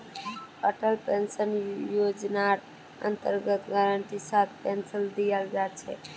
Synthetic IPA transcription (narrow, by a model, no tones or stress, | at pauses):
əʈəlpensənjod͡ʒnaʈ | ə̰nt̪əɾɡət̪ɡaɾəɳʈisat̪̚pensəld̪ijəld͡ʒat͡ʃʰɛ̰